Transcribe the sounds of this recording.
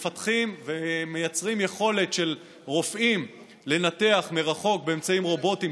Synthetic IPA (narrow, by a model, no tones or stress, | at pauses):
fat̪χimvemejat͡sʁimjeχo̞le̞tʃe̞l | ʁo̞fʔim | le̞nate̞aχmeʁaχo̞k̚be̞ːmt͡saimʁo̞bo̞tim